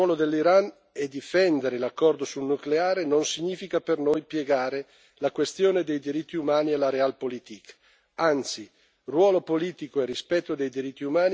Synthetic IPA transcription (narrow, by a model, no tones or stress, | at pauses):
wɔlod̪elːiɾan | ɛd̪ifɛnd̪eɾelakːɔrd̪osulnukleaːɾenonsiɲiːfikapernojpjeɡaːɾe | lakwest̪joːned̪ejd̪iɾit̪ːiumaːnialaɾealpolit̪ik | ant̪si | rwɔːlopoliːt̪ikoerispɛt̪ːod̪ejd̪iɾit̪ːiumaːn